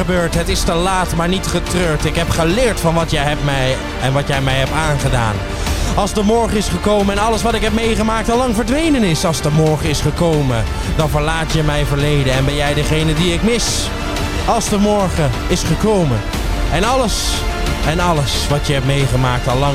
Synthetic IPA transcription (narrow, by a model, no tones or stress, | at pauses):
əbøːɹtɦətɪstəlaːtmaːɹnitχətrøːɹtɪkɦɛpχəlɪːɹtfɑnʋɑtjəjɦɛpmɛj | ɛnʋɑtjɛjmɛjɦɛp̚taːnχəda̰ːn | ɑlˠzdəmɔɹχəɪsχəkowməɛnɑləsʋɑtɪkɦɛp̚mejχəmaːk̚tɑlɑŋvəɹdʋejnənɪsɑlˠzdəmɔɹχəɪsχəkowmə | dɑnvəɹlaːtjəmɛjvəɹlejdənɛnbɛnjɛjdəχejnədiɪkmɪs | ɑlˠzdəmɔɹχə | ɪsχəkowmə | ɛnɑləs | ɛnɑləsʋɑtjəɦɛp̚mejχəmaːk̚tɑlˠːɑŋ